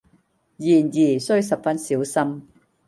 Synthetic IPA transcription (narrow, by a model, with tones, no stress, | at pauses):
jiː˨˩njiː˨˩sɵ˥ɥsɐ˨p̚fɐ˥nsiː˨˥wsɐ˥m